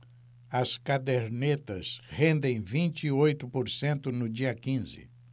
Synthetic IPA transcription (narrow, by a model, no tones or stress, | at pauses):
ɐskad̪eɾnet̪ɐshẽnd̪ẽj̃vĩnt͡ʃɪːojt̪ʊpoɾsẽnt̪ʊnʊd͡ʒiɐkĩzɪ̰